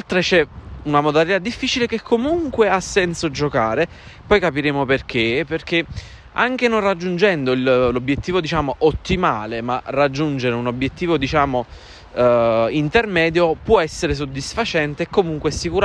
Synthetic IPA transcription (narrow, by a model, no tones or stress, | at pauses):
lt̪ɾet͡ʃɛunamod̪alit̪ad̪ːifːit͡ʃilekekʰːomuŋkweasːɛnsod͡ʒokaːɾe | pɔjkapiɾeːmoperk̟eperk̟e | a̰ŋk̟enonrad͡ʒːund͡ʒɛnd̪oillobjet̪ːiːvod̪it͡ʃaːmoʔot̪ːimaːlemarad͡ʒːund͡ʒeɾeunobjet̪ːiːvod̪it͡ʃaːmo | int̪ermɛːd̪jopwɔɛsːeɾes̬od̪ːisfat͡ʃɛnt̪eːkːomuŋkwesikuɾ